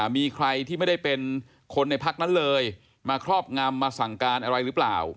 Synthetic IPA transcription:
miː˧kʰɾa˧jt̪ʰiː˥˩ma˥˩jda˥˩jpe˧n | kʰo˧nːa˧jpʰa˦˥k̚na˦˥nlɤː˧j | maː˧kʰɾɔː˥˩p̚ŋa˧mːaː˧sa˨˩ŋkaː˧nʔa˧ɾa˧jɾɯː˦˥pla̰ː˨˩w

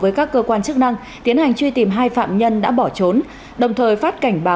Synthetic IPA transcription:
vəː˨˦jkaː˦˥kːəː˧kwaː˧nt͡ɕɨ˦˥k̚na˧ŋ | t̪i˨˦ənha˨˩jŋ̟t͡ɕwi˧t̪i˨˩mɦaː˧jfa̰ː˧˨mɲə˧nɗa̰ː˧˥ɓɔ˧˩t͡ɕo˨˦n | ɗə˨˩wŋ͡mt̪ʰəː˨˩jfaː˦˥t̚ka˧˩jŋ̟ɓaː˨˦

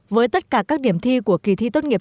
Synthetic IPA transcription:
vəː˨˦jt̪ə˦˥t̚kaː˧˩kaː˦˥k̚ɗi˧˩əmt̪ʰi˧ku˧˩əki˧˩t̪ʰḭ˧˥t̪ə˧nŋi˨˩

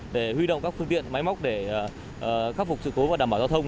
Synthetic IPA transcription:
ɗe˧˩hwi˧ɗo̰˧˨wŋ͡mkaː˦˥k̚fɨ˧əŋt̪ḭ˧˨ənma˨˦jma˦˥k͡p̚ɗe˧˩˨ | ʔxaː˦˥t̚fʊ˨˩k͡p̚sɨ̰˧˨ko˨˦vaː˨˩aː˧˩ɓaː˧˩za˧t̪ʰə˧wŋ͡m

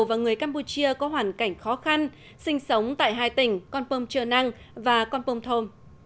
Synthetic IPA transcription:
vaː˨˩ŋɨ˨˩əjkaː˧mpu˧t͡ɕi˧əkɔ˨˦ɦwaː˨˩nka˧˩jŋ̟xɔ˨˦xa˧n | sï˧ŋ̟sə˨˦wŋ͡mt̪a̰ː˧˨jɦaː˧jt̪ï˧˩ŋ̟kɔ˧npo˧mt͡ɕəː˧˩na˧ŋ | vaː˨˩kɔ˧npə˧ŋ͡mt̪ʰo˧m

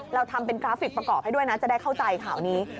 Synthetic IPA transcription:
ɾa˧wt̪ʰa˧mpe˧nkɾaː˦˥fi˨˩k̚pɾa˧kɔː˨˩p̚ha˥jdu˥˩əjna˦˥t͡ɕa˨˩daː˥˩jkʰa˥˩wt͡ɕa˧jkʰaː˩˦wniː˦˥

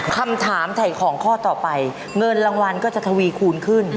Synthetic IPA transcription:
kʰa˧mt̪ʰaː˩˦mt̪ʰa˨˩jkʰɔː˩˦ŋkʰɔː˥˩t̪ɔː˨˩pa˧j | ŋɤ˧nɾaː˧ŋwa˧nkɔː˥˩t͡ɕa˨˩t̪ʰa˧wiː˧kʰuː˧nkʰɯ˥˩n

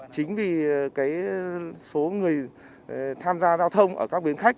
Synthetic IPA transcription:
t͡ɕï˨˦ŋ̟vi˨˩kaː˨˦jso˨˦ŋɨ˨˩əj | t̪ʰaː˧mzaː˧zaː˧wt̪ʰə˧wŋ͡mʔəː˧˩ka˦˥k̚ɓi˨˦ənxa˦˥k̚

